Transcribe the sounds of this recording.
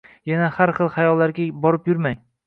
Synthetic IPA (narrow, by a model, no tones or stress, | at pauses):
janahaɾχɨlˠhajɒlˠːaɾɡʲabɒɾɪpjʊɾmaŋ